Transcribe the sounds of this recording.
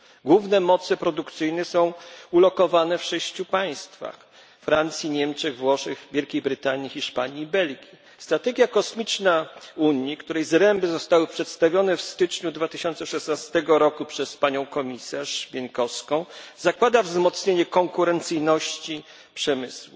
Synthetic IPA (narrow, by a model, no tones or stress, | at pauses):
ɡwuvnɛmɔt̪sɛpɾɔd̪ukt̪sɘjnɛsɔ̃w̃ulɔkɔvanɛfʂɛɕt͡ɕupaj̃st̪fa̰x | fɾant̪sʲjiɲɛmt͡ʂɛɣvwɔʂɘxvʲjelkʲejbɾɘt̪aɲixʲiʂpaɲiːbɛlɡʲi | st̪ɾat̪ɛɡʲjakɔsmʲit͡ʂnauɲikt̪uɾɛjzɾɛmbɘzɔst̪awɘpʂɛt̪st̪avʲjɔnɛfst̪ɘt͡ʂɲud̪vat̪ɘɕɔnt̪sɛʂɛsnast̪ɛɡɔɾɔkupʂɛspaɲɔ̃w̃kɔmʲisaʂbʲjɛŋkɔskɔ̃w̃zakwad̪avzmɔt̪sɲeɲɛkɔŋkuɾɛnt̪sɘjnɔɕt͡ɕi | pʂɛmɘswu